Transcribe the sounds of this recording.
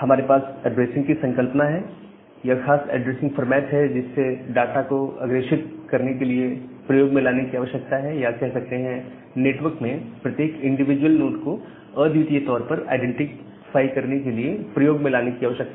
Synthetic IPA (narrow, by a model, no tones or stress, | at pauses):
hɐmaːɾepaːsɛɖɾeːsɪ̃ŋɡkisɐ̃ŋkəlpnaɦɛ | jaxaːsɛ̰ːɖɾeːsɪ̃ŋɡfɔɾmɛːʈɦɛd͡ʒɪsːeɖaːʈakoɐ̰ɡɾeːʃɪt̪̚kɐɾnek̬eliepɾɐjoːɡmẽlaːnekiaːʋəʃjək̚t̪aɦɛjakɛɦsɐk̚t̪eɦɛ̃ | neːʈʋəɾkmẽpɾɐt̪jeːkɪ̃ɳɖɪʋɪd͡ʒwəlnoːʈko | əd̪jit̪iet̪ɔːɾpɐɾa̰ːɪɖɛ̃ɳʈɪk | faːikɐɾnekeliepɾɐjoːɡmẽlaːnekiaːʋəʃjək̚t̪a